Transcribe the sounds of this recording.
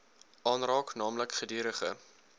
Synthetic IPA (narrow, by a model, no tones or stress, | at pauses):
ʔɑːnrɑːknɑːmləkχədiːɾəχə̰